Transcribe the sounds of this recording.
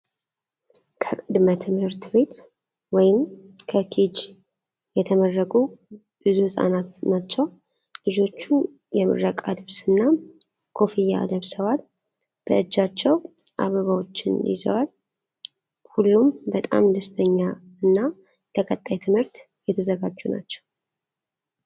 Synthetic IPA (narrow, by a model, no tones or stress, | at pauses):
kʰəkʼɨd̪mət̪ʰɨmhɨɾt̪be̞t̪ | wɔjɪmkʰəkʰid͡ʒ | jɛt̪ʰəmərːəkʼu | b̥ɨzuhɨsʼa̰nat̪nat͡ʃːɛw | lɨd͡ʒo̞t͡ʃːu | jɛmɨ̰ɾəkʼad̪ɨβsɨnːa | kʰo̞fija̰d̪əβsəwal | b̥əɨd͡ʒːat͡ʃːɛwʔa̰βəβawo̞t͡ʃːɪ̰nlḭzə̰wal | hulːumbət̪ʼa̰md̪əst̪ʰəɲːaɨnːa | k̪ʰəkʼət̪ʼːajt̪ʰɨmhɨɾt̪ | jɛt̪ʰəzəɡad͡ʒːuna̰t͡ʃːɛ̥w